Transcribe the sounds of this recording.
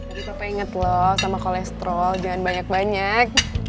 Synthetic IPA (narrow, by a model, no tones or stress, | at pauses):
ait̪apaiŋət̪lɔhsamakolɛst̪ɾɔld͡ʒaŋanbaɲak̚baɲak̚